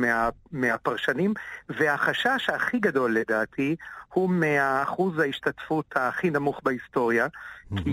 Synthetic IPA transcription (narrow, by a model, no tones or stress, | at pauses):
meameapaʁʃanimvehaχaʃaʃhaχiɡado̞lːedaːtʰihumeaːχuzhaiʃtatfuthaχinamuχbaist̪o̞ʁjakʰi